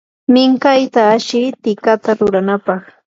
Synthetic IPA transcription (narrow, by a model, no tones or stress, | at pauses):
mɪŋkajt̪aːʃɪɾt̪ɪkat̪aɾʊɾanapɑχ